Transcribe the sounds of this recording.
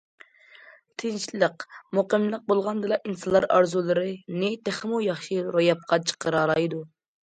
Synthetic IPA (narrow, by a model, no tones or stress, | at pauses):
t̪ʰɪnʃlˠəqmoqəmlˠəq̚bolˠʁɑnd̪ɨlˠɑʔinsɨlˠːɑɾɑɾzulˠɨɾɨnɪt̪ʰeχmujɑχʃiɾojɑp̚qʰɑt͡ʃʰə̥qəɾɑlˠɑjd̪u